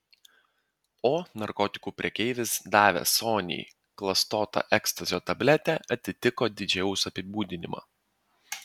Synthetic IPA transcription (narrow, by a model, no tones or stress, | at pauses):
oːnɐɾkɔːt̪ʲɪ̥kuːpʲɾʲɛkʲɛɪʋʲɪsd̪ɑːʋʲɛ̰soːnʲɪ̰j | klˠɐst̪oːt̪ɑ̰ʔɛkst̪ɐzʲɪjoːt̪ɐbʲlʲɛt̪ʲɛʔɐt̪ʲɪt̪ʲɪkoːd̪ʲɪd͡ʒʲɛʊsɐpʲɪbuːd̪ʲɪnʲɪmɑ̰ː